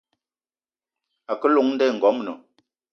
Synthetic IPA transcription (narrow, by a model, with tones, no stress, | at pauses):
a˨kə˦lo˨ŋn̩˦dɛ˦˨ŋ̩˨ɡɔ˨˦mnə˨